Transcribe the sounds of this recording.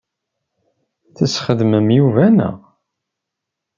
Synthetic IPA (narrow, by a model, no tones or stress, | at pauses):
θəsχəðməmjuvænæ̰